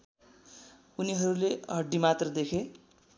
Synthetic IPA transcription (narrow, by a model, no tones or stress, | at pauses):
uniɦʌɾuleɦʌɖːimat̪rʌd̪ekʰe